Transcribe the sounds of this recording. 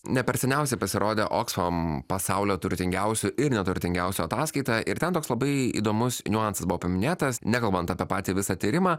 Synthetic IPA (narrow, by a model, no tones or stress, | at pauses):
nʲɛpʲɛɾʲsʲɛnʲɛʊsʲɛɪpɐsʲɪɾoːd̪ʲeʔoːksfompɐsɑʊlʲoːt̪ʊɾʲt̪ʲɪŋʲɡʲɛʊsʲʊʔɪɾnʲɛt̪ʊɾʲt̪ʲɪŋɡʲɛʊsʲʊɐt̪ɑːskɐɪt̪ɑʔɪɾt̪ʲɛnt̪oːkslˠɐbɐɪḭd̪oːmʊsnʲʊɑˑnsɐsbʊʋoːpɐmʲɪnʲeːt̪ɐsnʲækɐlˠbɐnt̪ɐpʲɛːpɑːt̪ʲiːʋʲɪsɑt̪ʲiːɾʲɪmɑː